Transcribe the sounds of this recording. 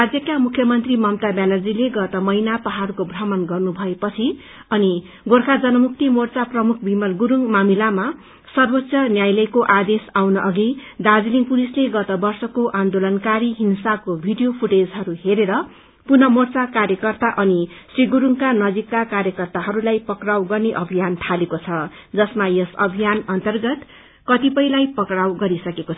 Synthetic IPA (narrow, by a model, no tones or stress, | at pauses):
rad͡zjʌkamukʰjʌmʌnt̪rimʌmt̪abanʌrd͡zileɡʌt̪ʌmʌjnapʌɦaɾukobʱrʌmʌnɡʌrnubʱʌepʌt͡sʰi | ʌni | ɡorkʰad͡zʌnʌmuk̚t̪imort͡saprʌmukʰbimʌlɡuɾuŋmamilama | sʌrbʌtsʰjʌnjajlʌjkoʔad̪esawnʌʔʌɡid̪ad͡zliŋpulisleɡʌt̪ʌbʌrsʌkoʔand̪olʌnkaɾiɦinsakobʱiɖijopʰuʈed͡zɦʌɾuheɾeɾʌ | punʌmort͡sakarjʌkʌrt̪aʔʌnisriɡuɾuŋkanʌd͡zikːakarjʌkʌrt̪aɦʌɾulajpʌkrawɡʌrneʔʌbʱijant̪ʰalekot͡sʰʌ | d͡zʌsmajʌsʌbʱijanʌnt̪ʌrɡʌt̪ | kʌt̪ipʌjlajpʌkrawɡʌɾisʌkekot͡sʰ